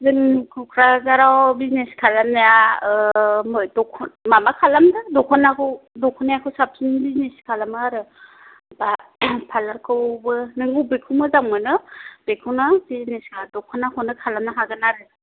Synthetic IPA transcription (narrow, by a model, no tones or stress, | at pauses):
zɯŋkʰɔkʰɾazaɾawbizneskʰalamnaja | mɯjdɔkʰɔnmamakʰalamdɯdɔkʰɔnakʰɯwdɔkʰɔnajakʰɯwsap̚sinbizneskʰalamɯɾɯ | bapʰalaɾkʰɯwbɯnɯŋɡubekʰɯwmɯzaŋmɯnɯb̥ekʰɯwnabizneskʰadɔkʰɔnakʰɔwnɯkʰalamnaɦaɡɯnaɾɯ